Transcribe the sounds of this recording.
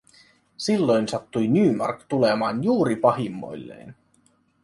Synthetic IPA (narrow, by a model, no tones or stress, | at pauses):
silːo̞jnsɑt̪ːujnyːmɑ̰rkt̪ule̞mɑːnjuːɾipɑɦimːo̞̰jlːḛjn